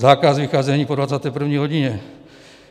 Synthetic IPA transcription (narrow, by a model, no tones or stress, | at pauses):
zaːkasvɪxaːzɛɲiːpodvat͡saːt̪ɛːpr̩vɲiːɦoɟɪɲɛ